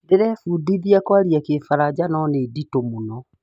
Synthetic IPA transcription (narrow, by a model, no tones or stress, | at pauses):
deɾɛfudiðiakwaɾiakefaɾad͡ʑanɔneditomonɔ